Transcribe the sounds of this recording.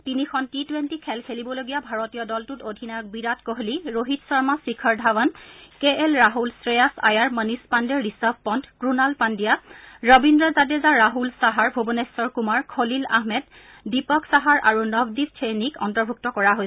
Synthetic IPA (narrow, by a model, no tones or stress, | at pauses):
tinikʰɔntitwentikʰɛlkʰelibɔloɡijabʱaɹotijɔdɔltutodʱinak̚biɹatkɔɦoliɹoɦitsɔɹmasikʰɔɹdʱawankeɛlɹaɦulsɹejasa̰jaɹmənispandɛɹɹisab̚ʱpɔntʰkɹunalpandijaɹɔbindɹɔzadezaɹaɦulsaɦaɹbʱobɔnesɔɹkumaɹkʰolila̰ɦmɛd | dipɔksaɦaɹʔaɹunɔɡdistʰenikɔntɔɹbʱuk̚tɔkɔɹaɦoj